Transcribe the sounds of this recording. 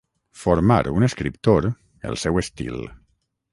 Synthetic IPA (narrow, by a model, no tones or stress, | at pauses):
foɾma̰ɾunəskɾipt̪oɾ | ə̰lˠsɛwəst̪ḭl